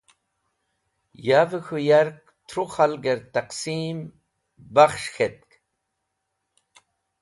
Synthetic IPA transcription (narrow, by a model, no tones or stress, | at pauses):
javɨxujaɾq̚ | t̪ʰɾuχalɡeɾt̪aqsim | baχʃxet̪̚k